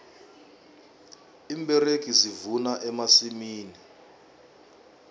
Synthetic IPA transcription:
imbɛrekʼizivunaʔɛmasimiːni

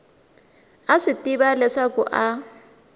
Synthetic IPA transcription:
aʂitiβalɛʂakṵʔa

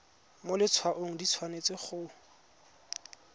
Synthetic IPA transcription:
molɪt͡sʰwaʔoŋ̩dit͡sʰwanet͡sɪχʊ

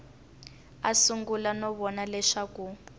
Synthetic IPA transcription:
asuŋɡulanɔβɔnalɛʂaku

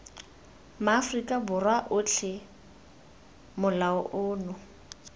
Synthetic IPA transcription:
maːfrikʼabʊrwaʔʊt͡ɬʰɪ | mʊlaʊʔʊːnʊ

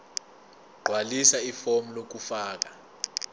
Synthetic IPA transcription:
ɡ͡ǃʱwalisaifomulok̬ufaːk̬a

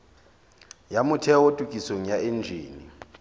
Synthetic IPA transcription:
jamʊtʰɛotʼukʼiseŋ̩jaʔend͡ʒʱḭːni

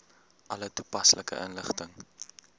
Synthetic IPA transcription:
ʔɐlətu̥pɐsləkə̰ʔənləχtəŋ

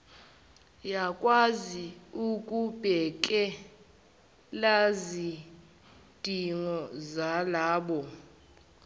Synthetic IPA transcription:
jakʼwaziukʼub̥ʱɛk̬ʼɛ | lazi | d̥ʱiŋɔzalaːɓɔ

